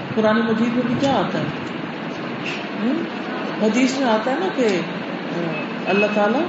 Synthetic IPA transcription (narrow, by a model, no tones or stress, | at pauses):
kʊɾaːnemɐd͡ʑiːd̪mẽːɡ̪ikjaːaːt̪aɦe | ɦ | ɦɐd̪iːsmẽaːt̪aɦenake | ɐlːat̪aːla